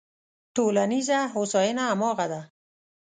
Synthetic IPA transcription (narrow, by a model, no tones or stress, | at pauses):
ʈolanizaɦosɑjɪnaːmɑɣad̪a